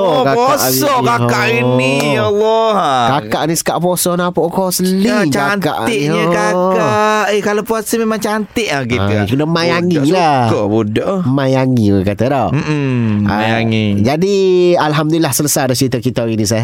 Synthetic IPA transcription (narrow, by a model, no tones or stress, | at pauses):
okaokaʔsiɔkakaʔinɔlːɔkakaʔnisə̥kaʔpɔsɔnapoʔkɔsəliŋt͡ʃakanka̰ʔɪʔiɲəkaaekalapuasəmemaŋt͡ʃaant̪ɪʔlakit̪akunamajaŋilaɔbudɔʔmajaŋiwəkat̪adoa̰jaŋid͡ʒadialɦamd̪ulilahsələsajdat͡ʃəɾit̪akit̪ainĩs̬aja